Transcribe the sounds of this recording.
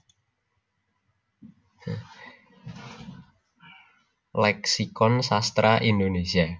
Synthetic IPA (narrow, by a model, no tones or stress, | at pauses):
lɛksikɔnsast̪ɾaʔind̪onesia